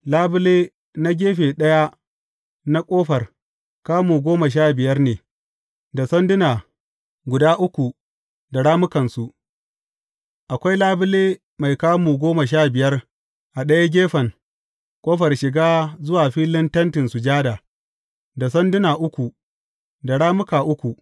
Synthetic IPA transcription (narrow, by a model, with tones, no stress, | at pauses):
laː˦bʊ˦leː˦ | na˦ɡʲeː˦ɸe˨ɗɐ˦ja˦ | na˦kʼoː˦ɸɐ˨r | kaː˦muː˨ɡʷoː˦ma˨ʃ̬aː˦˨bɪ˨jɐ˦rneː˨ | da˨sɐ˦ndʊ˦na˨ | ɡʷʊ˨daː˦ʔʊ˦kʷu˨ | da˨ɽaː˦mʊ˦kɐ˨nsu˨ʔ | ʔa˨kʷa˦jlaː˦bɪ˦leː˦ | ma˨jkaː˦muː˨ɡʷoː˦ma˨ʃ̬aː˦˨bɪ˨jɐ˦r | ʔa˨ɗɐ˦ja˦ɡʲeː˦ɸɐ˨ŋ | kʷʼoː˦ɸɐ˨rʃɪ˨ɡaː˦zʊ˦waː˨ɸiː˦lɪ˦ntɐ˦ntɪ˨nsu˨d͡ʒaː˦daː˨ | da˨s̬ɐ˦ndʊ˦naː˨ʔʊ˦kʷu˨ | da˨ɽaː˦mʊ˦kaː˨ʔʊ˦kʷu˨